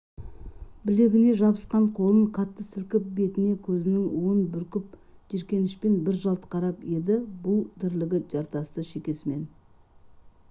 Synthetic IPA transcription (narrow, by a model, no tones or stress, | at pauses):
bɪle̞ɡʲɪne̞ʒɑbəsqɑɴqʰo̞lˠəɴqʰɑt̪ːəsɪlkʲɪp̚be̞t̪ɪne̞kʲʰɵzɪnɪŋwonbʏɾkʲɪp̚ʒ̥eɾkʲe̞nɪʃpe̞nbɪɾʒɑlˠt̪əqʰɑɾɑpje̞d̪ɪbʊlˠd̪ɪɾlɪɡʲɪʒ̥ɑɾt̪ɑst̪əʃe̞kʲe̞sɪme̞n